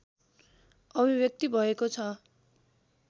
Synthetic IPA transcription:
ʌbʱibjʌk̚t̪ibʱʌekot͡sʰʌ

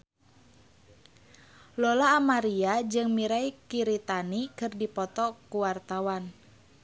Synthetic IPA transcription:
lɔlaːmaɾiad͡ʒɨŋmiɾajkiɾit̪anikɨrdipɔt̪ɔkuwart̪awan

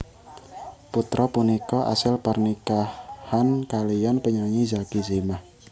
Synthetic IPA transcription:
put̪ɾʔɔpunikɔʔa̰sɪlpərnikahhankalijanpəɲaɲizakizemah

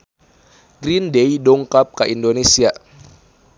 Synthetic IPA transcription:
ɡɾindejdɔŋkap̚kaʔindonesia

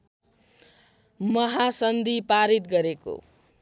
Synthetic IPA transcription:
mʌɦasʌnd̪ʱipaɾit̪̚ɡʌɾeko̰

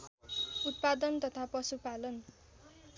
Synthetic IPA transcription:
ut̪̚pad̪ʌnt̪ʌt̪ʰapʌsupalʌn

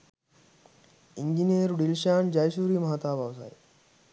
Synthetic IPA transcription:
iɲd͡ʑineɾuɽilɕaːɳd͡ʑajsuːɾiːməɦaːt̪abʱaʋsa̰ːj

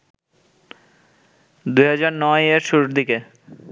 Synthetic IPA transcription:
d̪ujɦad͡ʑaɾnɔeɾʃuɾuʈd̪ike

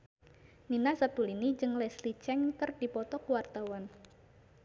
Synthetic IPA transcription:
ninasat̪ulinid͡ʒɨŋlɛslit͡ʃɛŋkərdipɔt̪ɔkuwart̪awɔn

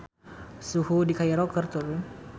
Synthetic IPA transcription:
suhudikajaɾɔkərt̪uɾu

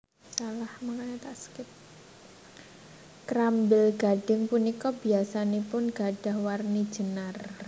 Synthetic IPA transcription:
salahmaŋaɲat̪askɪt̪̚ | kɾambɪlɡ̥a̤ɖ̥ɪŋpunikɔb̥iasanepʊnɡ̥a̤ɖ̥a̤hwarni̥ʒ̥ə̤nar

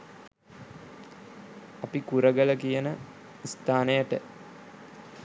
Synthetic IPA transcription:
apikuɾəɡələkijənə | ist̪aːnəjəʈə

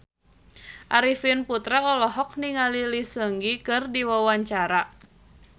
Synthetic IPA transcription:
ʔaɾifinput̪ɾaɔlɔɦɔk̚niŋalilisəŋɡikɨrdiwawaɲt͡ʃaɾa

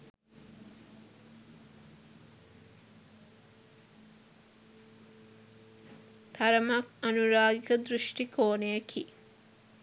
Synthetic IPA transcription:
t̪ʰɐɾəmakɐnuɾaːɡikəd̪ɾuʃʈikʰoːnejəkʰi

